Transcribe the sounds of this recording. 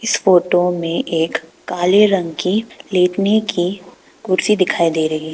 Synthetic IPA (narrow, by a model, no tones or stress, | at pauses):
ɪsfoːʈomẽʔeːkː | aːleɾɐ̃ŋɡkileːʈneki | kʊɾsid̪ɪkʰaːid̪eːɾɐɦii